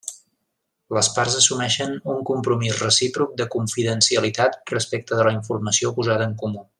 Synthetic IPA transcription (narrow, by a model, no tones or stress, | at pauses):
ləsparzəsumɛʃənuŋkumpɾumizrəsipɾuk̚d̪əkuɱfiðənsiəlit̪at̪̚rəspek̚t̪əðələiɱfurməsiopuzaðəːŋkumu